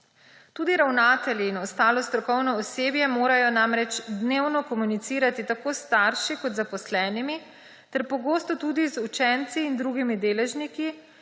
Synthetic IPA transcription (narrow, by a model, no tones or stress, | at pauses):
t̪uːd̪iɾawnaːt̪ɛljiːnɔst̪aːlɔst̪ɾɔkɔwnɔːseːbjɛmoːɾajɔnamɾɛt͡ʃd̪newnɔkɔmunit̪siːɾat̪it̪akost̪aːɾʃikɔt̪zapɔslɛːnimi | t̪ɛɾpɔɡoːst̪ɔt̪uːd̪izut͡ʃɛnt̪siːnd̪ɾuɡimid̪eːlɛʒniki